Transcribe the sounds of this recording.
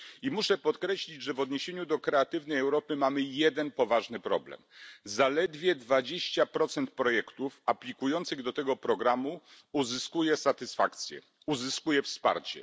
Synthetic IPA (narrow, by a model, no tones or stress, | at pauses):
imuʂɛpɔt̪kɾɛɕlʲid͡ʑʐɛvɔd̪ɲeɕeɲud̪ɔkɾɛat̪ɘvnɛjɛwɾɔpɘmamɘjɛd̪ɛnpɔvaʐnɘpɾɔ̰blɛ̰mzalɛd̪vʲjɛd̪vad͡ʑeɕt͡ɕapɾɔt̪sɛnt̪̚pɾɔjɛkt̪ufaplʲikujɔnt̪sɘɣd̪ɔt̪ɛɡɔpɾɔɡɾamu | uzɘskujɛsat̪ɘsfakt̪sʲjɛ̰ | uzɘskujɛfspa̰ɾt͡ɕɛ̰